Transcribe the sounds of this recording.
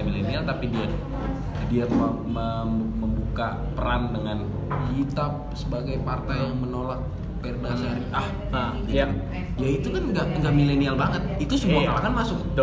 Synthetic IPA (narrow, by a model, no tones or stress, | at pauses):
milenialt̪apidia | diamməməmbuka | pəɾandəŋan | hit̪ap̚səbaɡajpart̪ajjaŋmənolak̚ | pɛrdasaɾiʔah | a | ja | jait̪ukanɡaʔŋɡaʔmilenialbaŋət̪̚it̪usəmuakalakanmasʊk̚d